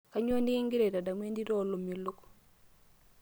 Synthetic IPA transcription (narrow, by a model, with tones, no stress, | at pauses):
ka˦ɲ˦o˦ndɪ˦ŋɡɪ˦ɾe˨da˨da˨mwe˦ndi˦ɾɔ˦˨lo˨mjo˨lo˦ko̥˨